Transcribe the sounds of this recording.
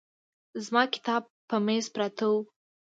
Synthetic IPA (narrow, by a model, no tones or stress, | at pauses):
zmɑkɪ̥t̪ɑb̚ | pəmezpɾat̪ʰaw